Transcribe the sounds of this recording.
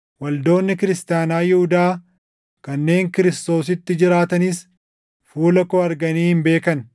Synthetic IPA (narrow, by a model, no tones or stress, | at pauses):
wɐld̪o̞ːnːɪkɪɾɪst̪ɪjaːnaːjɪhʊd̪aː | kɐnːe̞ːŋkɪɾɪst̪o̞ːsɪt̪ːɪd͡ʒɪɾaːt̪ɐnɪs | fuːlɐkɔɐɾɡɐniːhɪmbe̞ːkɐn